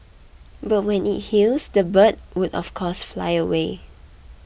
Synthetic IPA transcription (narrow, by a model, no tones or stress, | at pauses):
bat̚wɛ̃nḭt̚hilsdəbət̚wudɔ̰fkʰɔsfla̰ɪəwe